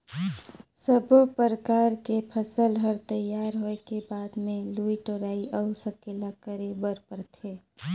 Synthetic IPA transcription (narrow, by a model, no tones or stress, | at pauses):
səbpəɾəkaːɾkepʰəsəlɦəɾt̪əjːaːɾɦoekebaːd̪mẽluiʈoɾaːiʔəusəkelakəɾebəɾpəɾt̪ʰeː